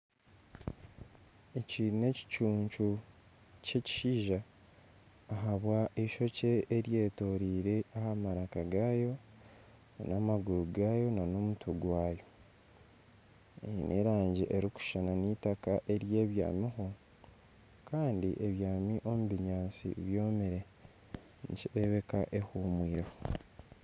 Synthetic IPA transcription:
eciːne̞ci̥t͡ʃuːɲt͡ʃu | ce̞ci̥ʃiːʒaː | ɦaβwaʔeʃo̞ceːɾje̞ːto̞ɾiːɾe̞ahamaɾakaɡaːjo̞ | nanamaɡuɾuɡajo̞nano̞mutʰuɡwaːjo̞ | ejḭnʔḛɾaːɲɟiʔeɾiku̥ʃananitakaʔe̞ɾje̞ːβja̰ːmiɦo̞ | kaːndiʔeβjaːmiʔo̞muβiɲaːnsḭβjo̞ːmeɾe̞ | niciɾeβe̞kaʔe̞humwiːɾeho

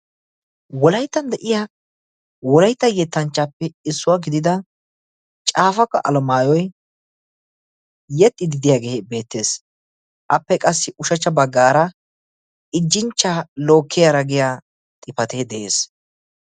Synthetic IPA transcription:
wɔlɐjt̪ːɐnd̪ɛʔɪja | wɔlɐjt̪ːɐjɛt̪ːɐnt͡ʃːɐpːɛɪsːʊwaːɡɪd̪ɪd̪ɐ | t͡ʃʼaːfɐkːɐ̰ʔɐ̰lɔmaːjɔj | jɛt̪ʼːɪd̪ɪd̪ɪjaːɡeːbe̞ːt̪ːe̞ːs | ʔɐpːɛkʼɐsːɪʔʊʃɐt͡ʃːɐbɐɡːaːɾɐ | ɪd͡ʒːɪnt͡ʃːaːloːkʰːɪjaɾɐɡɪja | t̪ʼɪpɐt̪eːd̪ɛʔḛːs

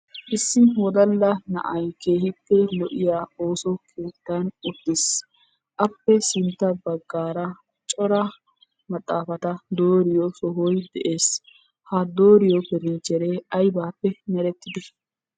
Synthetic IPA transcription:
ʔɪsːɪwɔd̪ɐlːɐnɐ̰ʔɐjke̞ːhɪt̪ːɛlɔʔɪjaːo̞ːsɔkʰe̞ːt̪ːanʊd̪̥ːɪs | ʔɐpːɛsɪnt̪ːɐbɐɡːaːɾɐ | t͡ʃʼɔɾɐ | mɐt̪ʼːaːfɐt̪ɐd̪oːɾɪjɔsɔɦɔjd̪ɛʔeːs | hɐd̪o̞ːɾɪjɔpɛɾɪnt͡ʃːɛɾeːɐjbaːpːɛnɛɾɛt̪ːɪd̪ɪ

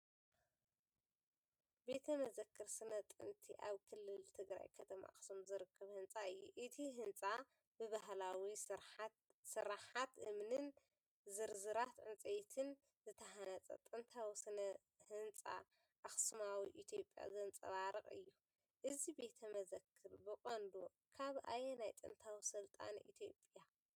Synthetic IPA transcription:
be̞t̪ʰɐmɐzɐkʰːɨɾsɨnɐt̪ʼɨ̰nt̪ʰḭʔa̰βkʰɨlːɨlt̪ʰɨɡɾa̰jkʰɐt̪ʰɐma̰ʔxsumzɨɾɨkʰːɐβhɨnt͡sʼaɨjːuʔɨt̪ʰiɦɨnt͡sʼa | bɨβahlawi | sɨɾaħat̪ʔɨmnɨn | zɨɾzɨɾat̪ʕɨnt͡sʼejt̪ʰɨn | zɨt̪ʰɐɦanɐt͡sʼɐ̰t̪ʼɨnt̪ʰawsɐnɐ | hɨnt͡sʼa̰ | ʔxsmawiʔit̪ʰjo̞pʼːja̰zɐnt͡sʼɐ̰βaɾɨχʼɨ̰jːu | ʔɨzibe̞t̪ʰɐmɐzɐkʰːɨɾbɨkʼond̪o | kʰaβʔa̰jenajt̪ʼɨ̰nt̪ʰawisɨlt̪ʼa̰nʔḭt̪ʰjo̞pʼja

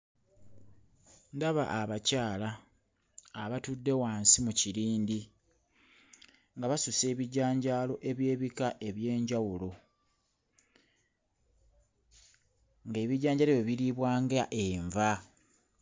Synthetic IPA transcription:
ndaβa̰ʔːβacaːlaː | βatudːe̞waːnsimuciɾiːndi | ŋɡaβasuse̞ːβiɟaːɲɟaːlo̞ʔe̞βje̞ːβikaʔe̞βje̞ːɲɟawulo̞ | ŋɡe̞ːβiɟaːɲɟaleβweβiɾiβwaːŋɡaʔeɱva

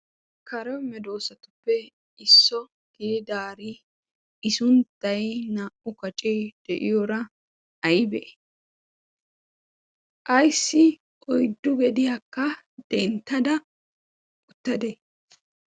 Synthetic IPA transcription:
kɐɾɛwmɛd̪o̞ːsɐt̪ʊ̥pːɛ | ɪsːɔ | ɡ̥ɪdɪd̪aːɾɪ | ɪsʊnt̪ːɐjnaʔʊkɐt͡ʃʼɛjd̪̥ɛʔɪjɔɾɐ | ɐjɪbɛʔɛ̥ | ʔɐjsːɪ | ʔɔjd̪ːʊɡɛd̪ɪjakːɐ | d̪̥ɛnt̪ːɐd̪ɐ | ʊt̪ːɐd̪ɛ

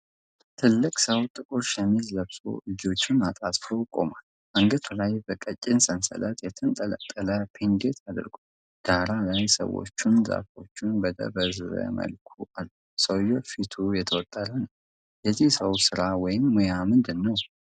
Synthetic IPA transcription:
t̪ʰɨlːɨkʼsəwt̪ʼɨkʼoʃjɛmilləβsʼo̞̰ʔɨd͡ʒo̞t͡ʃːɪnat̪ʼat̪ʼfəwkʼo̞̰mal | ʔaŋɡət̪ʰulajbəkʼət͡ʃʼːɪnsʼənsə̰lət̪jɛt̪ʰɨnt̪ʼələ̰t̪ʼːələpʰend̪et̪ʰad̪ɾɡu | d̪̥aɾalajsə̰wo̰t͡ʃːunza̰fo̞t͡ʃːunbəd̪ə̰bəzɨzə̰mə̰lkʰuʔalːu | səwjfit̪ʰujɛt̪ʰəwɔt̪ʼːələnəw | jɛzːihsəwsɨɾawɔjɪmːojamɨnd̪ɨnːəw

